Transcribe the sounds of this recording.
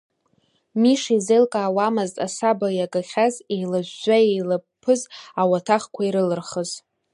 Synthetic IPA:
miʂizejlkʼaːwamɨztʼa̰sabajaɡʼaχʲazejlaʒʷːaejlapʰɨzawatʰaχkʷʰaiɾɨlɨrχəz

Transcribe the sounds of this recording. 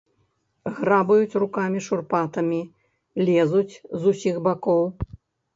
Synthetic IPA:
ɣɾabɐjut͡sʲrukamʲiʂurpat̪ɐmʲi | lʲɛzut͡sʲzusʲixbakɔw

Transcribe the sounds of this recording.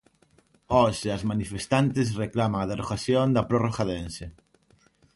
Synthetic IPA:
ɔʃeazmanifest̪ant̪ɪs̬reklamaað̞eroɣaθjond̪ɐpɾoroxaðense

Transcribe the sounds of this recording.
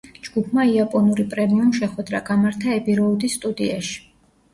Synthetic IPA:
d͡ʒɡ̥upʰmaiapʼɔnuɾipʼɾɛmiumʃɛχwɛd̪ɾaɡ̥amaɾt̪ʰaɛbiɾɔud̪isːt̪ʼud̪iaʃi̥

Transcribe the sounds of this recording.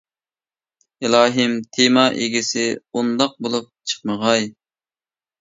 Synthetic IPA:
ɪlˠɑːɦɨmt̪ʰemɑʔeɡʲɪsɪund̪ɑq̚bolˠup̚t͡ʃʰə̥qməʁɑj

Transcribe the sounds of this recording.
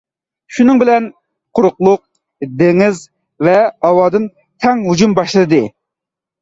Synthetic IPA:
ʃunɨŋbɪlɛn | qʰʊɾʊqlˠʊq̚ | d̪eŋɪz | vɛɑwɑːd̪ɨn | t̪ʰɛŋɦud͡ʒumbɑʃlˠɨd̪ɨ

